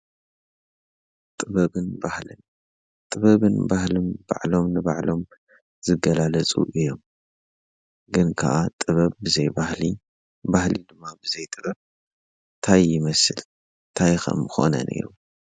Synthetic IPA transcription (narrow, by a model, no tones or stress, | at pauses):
t̪ʼɨβɐβɨnbahlɨn | t̪ʼɨβɐβɨnbahlɨnba̰ʕlo̞mnɨbaʕlo̞m | z̥ɨɡɐlalɐt͡sʼṵʔɨjːom | ɡɨnkʰa̰ʔat̪ʼɨβɐβbɨzɐjbahli | bahlid̪ɨmːabɨzɐjt̪ʼɨβɐβ̚ | t̪ʰajːɪmɐsɨl | t̪ʰajxɐ̰mːɨxo̞̰nɐ̰nʔḭɾṵ